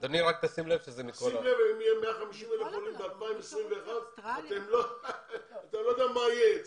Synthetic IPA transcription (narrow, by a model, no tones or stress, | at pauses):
d̪̥oniʁak̚t̪asimlevʃezemikosimlevaimijemeaχamiʃimelefolimɡalmaimesʁimveːχavat̪emlo | at̪amlo̞d̪eamaje